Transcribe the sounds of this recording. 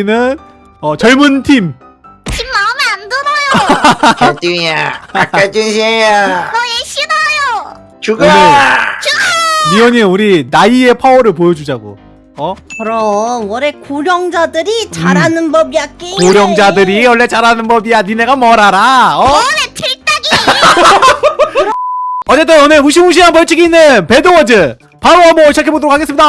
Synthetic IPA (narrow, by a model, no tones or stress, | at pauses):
nɯn | ʌt͡ɕʌɭmuntʰim | tʰimːaɯmiandonʌjo | tʰimiaak͈at͡ɕinɕʰiejanʌjeɕʰinʌjo | t͡ɕuɡaet͡ɕumiʌɲiuɾinaie̞pʰaoɾɯɭp̬ojʌd͡ʑud͡ʑaɡo̰ | ʌkɯɾʌwʌɾekoɾjʌŋd͡ʑadɯɾit͡ɕaɾanɯnbʌbijak͈ekoɾjʌŋd͡ʑadɯɾiwʌɭːe̞t͡ɕaɾanɯnbʌbijanine̞ɡamʌɾaɾaʌɾetʰiɭt͈aɡi | ʌt͡ɕ͈e̞t̬͈ɯnoneɸuɕ̬ʰimuɕʰiɦanpʌɭt͡ɕʰiɡiːnːɯnpe̞dowʌd͡ʑɯ | pʰaɾoamʌɕʰid͡ʑakʰe̞bodɯɾokʰaɡes͈ɯmɲida